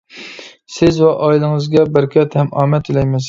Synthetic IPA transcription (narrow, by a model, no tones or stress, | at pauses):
sɪzwɛʔɑːilˠɨŋɨzɡʲɛbæɾkʰʲɛt̪hɛmɑːmɛt̪ʰilɛjmɪz